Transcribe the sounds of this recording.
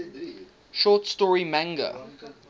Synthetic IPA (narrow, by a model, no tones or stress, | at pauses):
ʃɔːˑtstɔɹimæ̃ŋɡə̰